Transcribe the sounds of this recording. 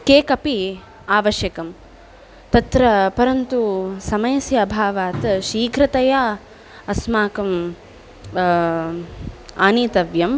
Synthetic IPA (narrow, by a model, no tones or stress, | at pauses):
keːkɐpi | aːʋɐʃjɐkɐm | t̪ɐt̪ɾɐpɐɾɐnt̪usɐmɐjɐsjɐːbʱaːʋaːt̪ʃiːkɾɐt̪ɐja | ɐsmaːkɐm | aːniːt̪ɐʋjɐm